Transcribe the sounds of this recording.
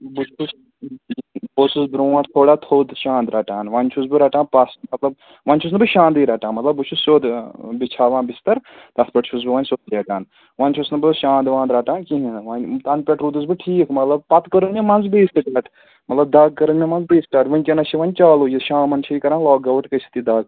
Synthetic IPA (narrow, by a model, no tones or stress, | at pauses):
but͡ʃʰus | bosusbɾuːãʈt̪ʰoːɽaːt̪ʰoːd̪ʃãːnd̪ɾɐʈaːnʋɐnʲt͡ʃʰus̬bɨɾɐʈãːnpɐsmɐt̪lɐb | ʋɐnt͡ʃʰus̬nɨbɨʃãːnd̪iːɾɐʈãːnmɐt̪lɐbut͡ʃʰusoːd̪bit͡ʃʰaːʋãːnbist̪ɐɾt̪ɐspɐʈt͡ʃʰus̬bɨʋɐnʲsoːt̪̚d͡ʒeːɡ̪aːn | ʋɐnʲt͡ʃʰusnɨbɨʃãːnd̪ʋãːnd̪ɾaːʈãːnkiɦĩnʋɐnʲt̪ɐnpʲeʈɾuːd̪ɨzbɨʈʰiːkmɐt̪lɐb̚pɐt̪kɐɾɨnmʲẽmɐnzbiːsʈɐʈɐʈ | mɐt̪lɐb̚d̪aːɡ̚kɐɾɐnmʲẽmɐnzbiːsʈaːʈʋɐnʲkʲɐnɐt͡ʃʰiʋɐnʲt͡ʃaːlujiʃãːmɐnt͡ʃʰijkɐɾãːnlaːɡɐʋɐʈkɐsi̥t̪id̪aːɡ